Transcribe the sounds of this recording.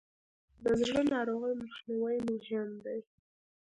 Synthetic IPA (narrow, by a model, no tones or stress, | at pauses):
d̪əzɽənɑɾoɣəjmaxniwajmʊʒand̪aj